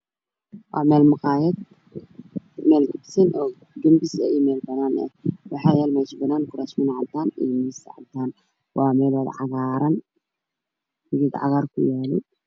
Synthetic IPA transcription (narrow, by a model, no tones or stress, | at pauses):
wʔɑ̰ːmɛːlmɑqɑːjɛd̪ | mɛːlɡɐbsɐnʔɔː | ɡɐmbɪsɛɛjmɛːlbɐnaːnɛ̰wɑħɑːjaːlmaːt͡ʃbɐnaːnkʰʊɾaːʃmɪnʕɑd̪aːniːmɪsɐʕɑ̰bd̪aːn | wɑːmɛːlwɐðʕɑ̰ɣaːɾɐn | ʊɡɪd̪ʕɑ̰ɣaːrkʰʊjaːnɪ̰